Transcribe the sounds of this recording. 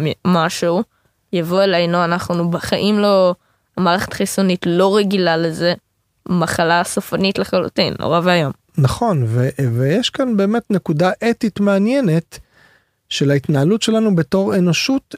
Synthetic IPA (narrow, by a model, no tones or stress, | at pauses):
mimaʃeu | javo̞elajnoanaχnubeχaʔimlo̞ | amaːʁeχetχisunitlo̞ʁeɡilaleze̞ | maχalasofanitleχalṵtḭnlo̰ʁavajom | naχo̞nvevejeʃkanbe̞ːme̞tne̞kudaʔetitmeanjene̞t | ʃe̞laitnaalutʃe̞lanube̞to̞ʁe̞no̞ʃut